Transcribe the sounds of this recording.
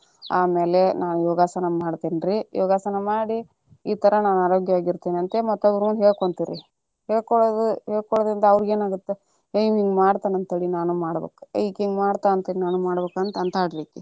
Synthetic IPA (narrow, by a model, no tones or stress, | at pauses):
aːmeːle̞naːnujoːɡaːsɐnɐmaːɽt̪eːniɾiːjoːɡaːsɐnɐmaːɽi | iːt̪ɐɾɐnaːnaːɾoːɡjɐʋaːɡiɾt̪eːniɐnt̪emɐt̪ːɐbuɾmɐnd̪ɦeːɭkoɳt̪iɾḭ | ɦeːɭkoɭod̪uɦeːɭkoɽɭod̪ɾind̪ɐɐʋɾɡe̞ːnaːɡut̪ːe | eiʋiŋɡmaːɽt̪aːnɐnt̪eːɽinaːnumaːɽbḛːku̥ikeŋɡmaːɽt̪aːɐnt̪eɽinaːnumaːɽbeːkɐnt̪ɐnt̪ʰaːɽd̪eːki